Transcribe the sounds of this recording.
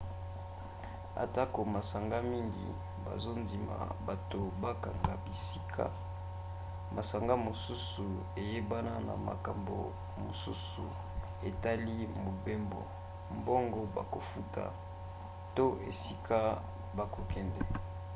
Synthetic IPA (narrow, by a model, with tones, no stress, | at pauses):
a̰˨ta˦ko˨ma˨sa˨ŋɡa˦mi˦ŋɡḭ˨ | ba̰˨zo˦ndi˨ma̰˨ba˨to˨ba˦ka˨ŋɡa˨bi˨si˦kʰa̰˦ | mʔa˨sa˨ŋɡa˦mo˨su˦su˨ | e˨je˦ba˦na˦na̰˨ma̰˨ka˨mbo̰˨ | mo˨sṵ˦sṵ˨ | e˨ta˦li˦mo˨be˦mbo̰˨ | mbo˦ŋɡo˦ba˨ko˨fu˦tʰa̰˨ | to˦ʔḛ˨si˦kʰa˦ | ba˨ko˨kɛ˨ndɛ˨